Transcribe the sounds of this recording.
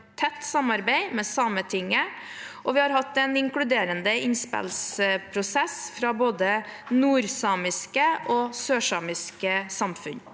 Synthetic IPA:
t̪ʰːɛt̪ːsɑmɑɾbæɪmɛsɑːmət̪ʰɪŋːə | ʔɔʋɪhɑɾhɑt̪ːɛnɪŋkɽʉd̪eːɾənd̪əɪnspɛ̰lspʰɾʊsɛsfɾɑboːd̪ə | nuːɾsɑːmɪskəʔɔːsøːʂɑːmɪskəsɑmfʉn

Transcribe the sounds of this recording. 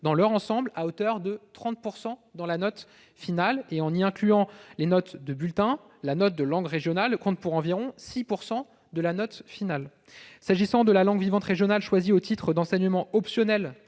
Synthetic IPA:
d̪ɑ̃lœʁɑ̃sɑ̃blaot̪œʁd̪ət̪χɑ̃t̪̚puʁsɑ̃d̪ɑ̃lanɔt̪ | finaleɑ̃niɛ̃klyɑ̃lenɔt̪d̪əbylt̪ɛ̃ | lanɔt̪̚d̪əlɑ̃ɡʁeʒjɔnalkɔ̃t̪̚puʁɑ̃viʁɔ̃sipuʁsɑ̃ | d̪əlanɔt̪final | saʒisɑ̃d̪əlalɑ̃ɡvivɑ̃t̪χeʒjɔnalʃwaziot̪it̪χəd̪ɑ̃sɛɲəmɑ̃ɔpsjɔnɛl

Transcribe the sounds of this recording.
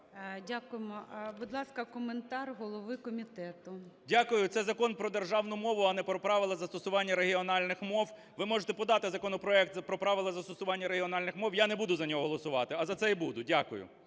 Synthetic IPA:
dʲakʊjɪmɔbʊd̪lˠɑskɐkɔment̪ɑrɦɔlˠɔʋɪkɔmʲit̪ɛt̪ʊdʲakʊjʊt̪sɛzɐkɔnpɾɔd̪erʒɑwnʊmɔʋʊɐnɛpɾɔpɾɑʋɪlˠɐzɐst̪ɔsʊʋɑnʲːɐɾeɦiɔnɑlʲnɪxmɔw | ʋɪmɔʒet̪ɛpɔd̪ɑt̪ɪzɐkɔnɔpɾɔɛk̚t̪zɐpɾɔpɾɑʋɪlˠɐzɐst̪ɔsʊʋɑnʲːɐɾeɦiɔnɑlʲnɪxmɔwjanɛbud̪ʊzɐnʲɔɦɔɦɔlˠɔsʊʋɑt̪ɪɐzɐt̪sɛibud̪ʊdʲakʊ̰jʊ̰

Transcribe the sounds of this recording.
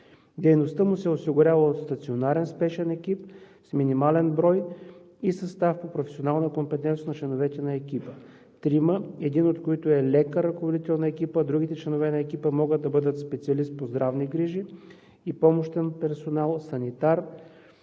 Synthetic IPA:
d̪ɛjnost̪əmusɛosiɡʊɾʲavəot̪st̪ɐt̪sionaɾɛnspɛʃɛnɛkipsminimalɛnbɾɔj | isɐst̪afpopɾofɛ̥sionalˠnəkompɛt̪ɛnt̪jənɐt͡ʃlɛnovɛt̪ɛnɐɛkʲipə | t̪ɾiməɛd̪inot̪koit̪ʊɛlɛkəɾɐkovod̪it̪ɛlˠnɐɛkipəd̪ɾuɡ̟ʲit̪ɛt͡ʃlɛnovɛnɐɛkipəmɔɡət̪̚ːɐbɤd̪ət̪spɛt̪siɐlist̪̚pozd̪ɾavniɡɾiʒi | ipɔmoʃt̪ɛnpɛɾsonalˠsɐnit̪aɾ

